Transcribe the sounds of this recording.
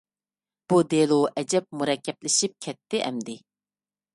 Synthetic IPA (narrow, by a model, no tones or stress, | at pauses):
b̥ud̪elˠuʔɛd͡ʒɛp̚muɾɛkʲːɛplɪʃip̚kʲʰɛt̪ːɪʔɛ̰md̪ɪ